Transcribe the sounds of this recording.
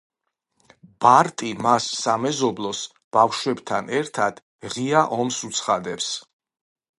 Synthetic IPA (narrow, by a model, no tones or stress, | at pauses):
b̥aɾt̪ʼimasːamɛzɔblˠɔs | b̥afʃwɛbt̪ʰanɛɾt̪ʰad̪̥ | ʁiaʔɔmsut̪sʰχad̪ɛps